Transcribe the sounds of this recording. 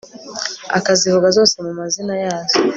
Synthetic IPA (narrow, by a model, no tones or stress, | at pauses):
a̰kazivuɡazɔsɛmumazinajazɔ